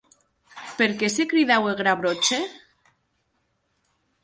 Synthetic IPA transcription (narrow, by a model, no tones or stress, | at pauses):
peɾkesekɾiðaweɣɾaβɾot͡ʃe